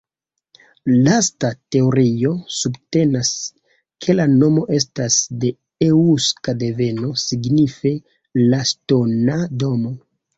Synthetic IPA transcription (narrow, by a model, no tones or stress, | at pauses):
lastate̞oɾio̞subte̞nas | kʰe̞lano̞mo̞ʔe̞stasde̞ | euskade̞ve̞no̞siɡnife̞ | lastonado̞mo̞